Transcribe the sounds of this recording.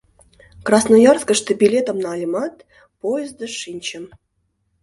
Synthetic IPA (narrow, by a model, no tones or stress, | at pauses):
krɑsnojɑrskə̆ʂt̪ə̆bʲilʲet̪ə̆mnɑlʲmɑt̪ | pojəzd̪ə̆ʂinʲt͡ɕə̆m